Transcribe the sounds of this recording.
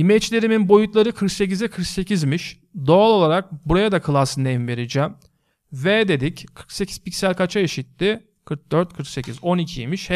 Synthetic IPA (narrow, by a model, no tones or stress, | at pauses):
imɛt͡ʃlʲe̞ɾiminbo̞jut̪lˠaɾɯkʰɯɾkse̞cizɛkʰɯɾkse̞cʰizmiʃ | d̪o̞alˠo̞lˠaɾak̚buɾajad̪akʰɯlˠasɯneimve̞ɾid͡ʒæm | vɛd̪e̞d̪ickʰɯɾkse̞cʰi̥z̥picsælʲkʰat͡ʃʰaeʃit̪ːɪ | kʰɯɾk̚d̪øɾt̪̚kʰɯɾkse̞cʰizo̞nicʰijemiʃhɛ